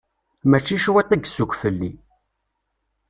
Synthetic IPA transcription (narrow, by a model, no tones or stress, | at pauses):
mæt͡ʃːiʃwæt̪ːæɡsukʷfəlːi